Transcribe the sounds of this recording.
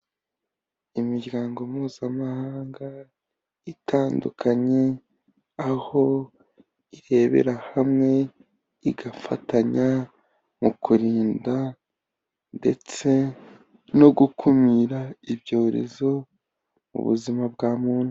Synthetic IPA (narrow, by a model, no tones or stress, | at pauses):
imiɟɡaːŋɡo̞muːz̥amahaːŋɡa | itʰaːndukʰaɲe̞ | aho̞ | iɾe̞βe̞̰ɾahamŋe̞ | iɡafa̰taɲa | mukuɾiːnda | nde̞̰t͡se̞ | no̞ɡukʰumiɾaibjo̞ːɾe̞̰zo̞ | mṵβṵzimabɡaːmuːn̥u